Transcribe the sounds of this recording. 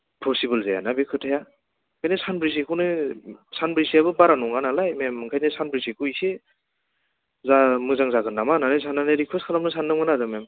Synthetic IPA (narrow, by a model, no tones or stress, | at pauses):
pʰɔsibɯlzaja̰nabikʰɯtʰaja | kʰajnɯsanbɾis̬ekʰɯnɯsanbɾisiabɯbaɾanɔŋanalajmemɯŋkʰajnɯsanbɾisekʰɯise | zamɯzaŋzaɡɯnːamananɯjsanːanɯɾikʰɯskʰalamnɯsanːɯŋmɯnazɯmem